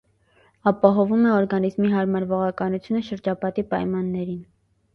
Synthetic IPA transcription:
ɑpɑɦɔvumɛɔɾɡɑnizmiɦɑɾmɑɾvɔʁɑkɑnut͡sʰjunəʃəɾd͡ʒɑpɑt̪ipɑjmɑnːɛɾin

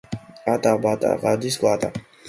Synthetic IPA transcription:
at̪ʼabat̪ʼa̰ʁad̪isɡat̪ʼa̰

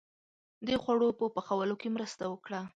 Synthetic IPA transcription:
d̪əxwaɽopəpəxawəlokemɾəst̪awəkɽa

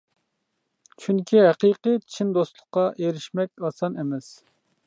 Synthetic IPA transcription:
t͡ʃʰyŋkʲʰiɦæqiqɨt͡ʃʰind̪ost̪lˠʊqːɑʔeɾɪʃmɛk̚ʲɑsɑnemɛs

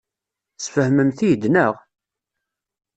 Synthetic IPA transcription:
sfəhməmθijd̪nəʁ

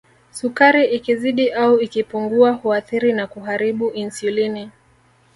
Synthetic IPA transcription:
sukaɾiʔikiziɗiʔauikipuŋɡuahuaθiɾinakuɦaɾiɓuʔinsulini

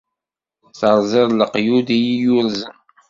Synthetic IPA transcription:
θəɾˤzˤɪðˤləqjud̪ijijuɾzən

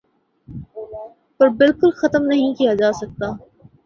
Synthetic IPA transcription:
pɐɾbɪlkʊlxɐt̪əmnɐɦĩkijad͡ʒaːsɐk̚t̪aː

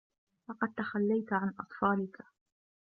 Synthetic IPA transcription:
lɑqɑd̪̚t̪axalːajt̪ʕanʔɑ̰t̪ˤfɑːlɪka

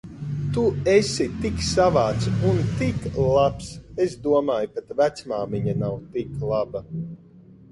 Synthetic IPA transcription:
t̪uesʲit̪iksavaːt̪sunt̪iklˠapsesd̪uɔmaːjpat̪væt̪smaːmiɲanawt̪iklˠaba

